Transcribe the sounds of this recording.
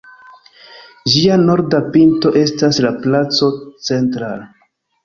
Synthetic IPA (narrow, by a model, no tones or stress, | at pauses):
d͡ʒiano̞ɾdapinto̞ʔe̞staslaplat͡so̞t͡se̞ntɾal